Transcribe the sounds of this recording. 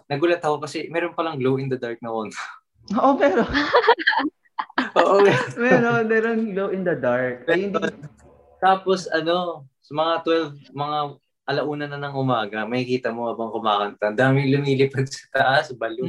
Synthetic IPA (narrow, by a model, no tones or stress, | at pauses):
nɐɡʊlɐt̪ɐkokɐsɛmɛːɾonpɐlɐŋɡlowɪnd̪ɐd̪aɹk̚nɐʔon | ʔoʔomɛːɾon | ʔoːʔomɛɾonmɛːɾonɡlowʔɪnd̪ɐd̪aɹk̚ɐjhɪnd̪i | t̪aːpo̞sɐno̞sɐmɐŋat̪wɛlvmɐŋa | ʔɐlɐʔuːnɐnɐnɐŋʔʊmaːɡɐmɐkɪkiːt̪ɐmoʔɐbɐŋkʊmaːkɐnt̪ɐnd̪aːmɪŋlʊmiːlɪpɐd̪̚sɐ̥t̪ɐʔasbɐlo